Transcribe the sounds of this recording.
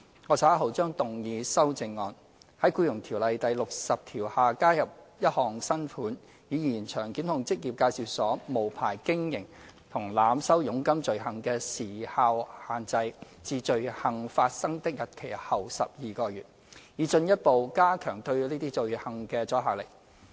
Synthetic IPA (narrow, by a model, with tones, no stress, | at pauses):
ŋɔː˨˧saː˨˥ɦɐ˨wt͡ʃœː˥ŋt̪ʊ˨˩ŋjiː˨˧sɐ˥wt͡sɪ˧ŋːɔː˨˧n | hɐ˨˥jkuː˧jʊ˨˩ŋt̪ʰiː˨˩wlɐ˨jt̪ɐ˨jlʊ˨k̚sɐ˨p̚t̪ʰiː˨˩whaː˨kaː˥jɐ˨p̚jɐ˥t̚hɔː˨ŋsɐ˥nfuː˨˥n | jiː˨˧jiː˨˩nt͡ʃʰœː˨˩ŋkiː˨˥nhʊ˨˧ŋt͡sɪ˥k̚jiː˨p̚kaː˧jsi˨wsɔː˨˥mo˨˩wpʰa̰ː˨˩jkɪ˥ŋjɪ˨˩ŋ | t̪ʰʊ˨˩ŋlaː˨˥msɐ˥wjʊ˨˥ŋkɐ˥mt͡ʃɵ˨ɥɦɐ˨˩ŋkɛː˧siː˨˩haː˧whaː˨˩nt͡sɐ˧j | t͡siː˨˧t͡ʃɵ˨ɥhɐ˨˩ŋfaː˧t̚sɐ˥ŋt̪ɪ˥k̚jɐ˨t̚kʰe˨˩jhɐ˨˩wsɐ̰˨p̚jiː˨kɔː˧jyː˨˩t̚ | jiː˨˧t͡ʃɵ˧njɐ˥t̚po˨wkaː˥kʰœː˨˩ŋt̪ɵ˧ɥliː˥t̪iː˥t͡ʃɵ˨ɥhɐ˨˩ŋkɛː˧t͡sɔː˨˥ɦaː˨˩wle˨˩k